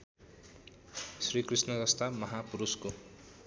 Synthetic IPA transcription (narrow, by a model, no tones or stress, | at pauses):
srikrisnʌdʌst̪amʌɦapuɾusko